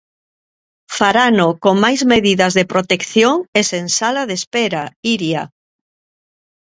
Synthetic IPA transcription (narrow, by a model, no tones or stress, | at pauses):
faɾanokoŋmajzmeðiðɐzðepɾot̪ekθjoŋesensalaðespɛɾaiɾja